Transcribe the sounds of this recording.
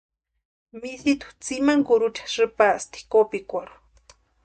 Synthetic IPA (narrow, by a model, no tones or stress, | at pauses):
miθit̪u̥t͡simaŋkuɾut͡ʃḁʐɨpast̪i̥kopikʷaɾu̥